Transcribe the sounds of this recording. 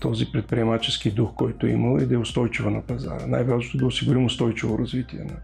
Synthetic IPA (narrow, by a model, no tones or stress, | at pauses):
t̪ɔzipɾɛt̪̚pɾiɛmat͡ʃɛskid̪uxkɔjt̪ʊḭmɐlˠɛ̰d̪ɐɛʊst̪ɔjt͡ʃivənɐpɐza̰ɾəna̰jvazot̪od̪ɐʊsiɡʊɾimʊst̪ɔjt͡ʃivoɾɐzvit̪iɛnɐ